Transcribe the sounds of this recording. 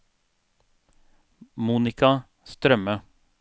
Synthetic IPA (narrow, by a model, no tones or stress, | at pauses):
muːnɪkɑ | st̪ɾœmə